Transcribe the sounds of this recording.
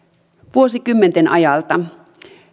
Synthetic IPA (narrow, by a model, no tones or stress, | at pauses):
ʋuo̞sikymːent̪enʔɑ̰jɑlt̪ɑ